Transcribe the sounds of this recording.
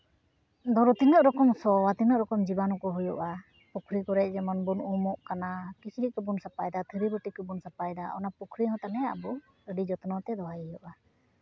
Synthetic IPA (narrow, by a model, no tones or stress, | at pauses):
d̪ɔɾɔt̪iŋəʔɾɔkɔmsɔwat̪iŋəʔɾɔkɔmd͡ʒibanɔkɔɦujɔʔa | pukʰɾikɔɾɛc̚d͡ʒɛmɔnbunumɔʔkanakit͡ʃʰɾikɔbunsapajd̪at̪ʰəɾiɾuʈikɔbunsapajd̪aɔnapukʰɾiɦɔ̃t̪anɛa̰bɔ | əɖid͡ʒɔt̪ɔnɔt̪ɛd̪ɔɦajjɔʔa